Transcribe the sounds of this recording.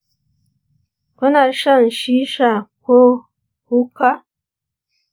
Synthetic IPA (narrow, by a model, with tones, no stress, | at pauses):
ko˦na˨ʃa˦˨n˨ʃi˦ʃa˨ko˦ | hu˦ka˦